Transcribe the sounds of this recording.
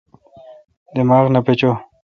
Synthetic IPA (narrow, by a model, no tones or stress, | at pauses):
d̪emaːɣnapet͡ɕo